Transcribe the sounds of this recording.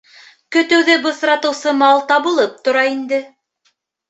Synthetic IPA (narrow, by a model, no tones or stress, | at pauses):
kɵ̆t̪ɵ̆wðɘbɤ̆θɾɑt̪ɤ̆wsɤmɑlˠt̪ɑβɤ̆lˠɤp̚t̪ŏɾɑind̪ɘ